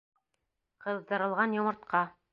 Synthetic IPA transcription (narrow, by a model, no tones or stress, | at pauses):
qɤ̆ðdɤ̆ɾɤ̆lˠʁɑnjŏmɤ̆ɾt̪̚qɑ